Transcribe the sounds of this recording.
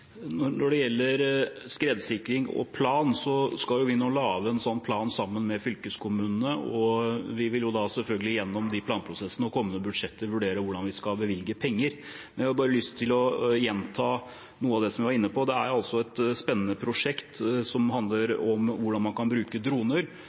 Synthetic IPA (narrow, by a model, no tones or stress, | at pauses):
nɔɾnɔɖɛjɛlːəɾskɾeːd̪sɪkɾɪŋɔ̰pʰlɑːnsɔskɑljʊʋɪnolɑːʋəɛnsɔnːpʰlɑːnsɑmːənmɛfʏlkəskʰʊmʉːnənəɔʋɪʋɪljʊd̪ɑsɛlfœlɡəlɪjɛnːɔmd̪ɪpʰlɑːnpʰɾʊsɛsːənəɔkʰɔmːənəbʉd̪ʂɛt̪ʰːəɾʋʉɖeːɾəʋʊɖɑnʋɪskɑbəʋɪlɡəpʰɛŋːəɾ | mɛnʋɪhɑjbɑːɾəlʏst̪ʰːɪlɔjɛnt̪ʰɑː | nuːəɑʋd̪ɛsɔmʋɪʋɑɾɪnːəpɔd̪ɛæɾjɑlsɔɛt̪spɛnːənəpʰɾʊʂɛkt̪sɔmɦɑnd̪ləɾɔmʋʊɖɑnmɑnkʰɑnbɾʉːkəd̪ɾuːnəɾ